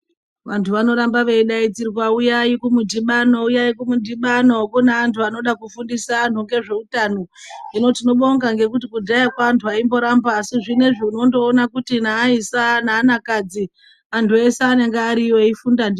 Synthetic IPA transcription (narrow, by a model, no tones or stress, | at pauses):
ʋantʰuʋano̞ɾambaʋeiɗait͡siɾikwaujaikumudʱiɓanoujaikumudʱiɓanokuneːntʰuano̞ɗakufundisan̤tuŋɡe̞ʐe̞utanoino̞tino̞ɓoŋɡaŋɡe̞kutikudʱajakwaːntʰuaimbo̞ɾambaːsiʐine̞ʐiuno̞ndoːnakutinaːisanaːnakad͡zi | antʰueseːne̞ŋɡeːɾioifundandi